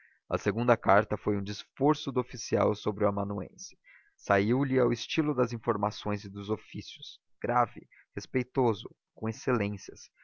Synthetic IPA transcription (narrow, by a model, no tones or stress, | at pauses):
ɐ̰seɡũnd̪ɐkaɾt̪ɐfojũd͡ʒisfoɾsʊd̪ʊofisia̰wsobɾɪʊamɐ̃nuḛ̃sɪ̥ | saiwlɪawɪst͡ʃilʊd̪ɐzĩfoɾmasõj̃zɪd̪ʊzofisijʊs | ɡ̥ɾavɪ | hespejt̪ozʊ | kõeselẽsiɐs